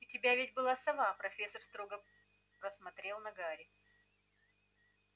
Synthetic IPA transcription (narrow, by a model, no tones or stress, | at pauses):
ɪtʲɪbʲavʲɪtʲbɨlˠasɐvapɾɐfʲe̞sərst̪ɾo̞ɡə | pɾəsmɐt̪ɾʲelˠnɐɡaɾʲɪ